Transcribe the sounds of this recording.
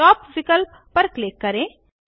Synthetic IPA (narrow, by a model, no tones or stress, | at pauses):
ɔːpʋɪkəlpːɐɾkleːkːɐɾẽː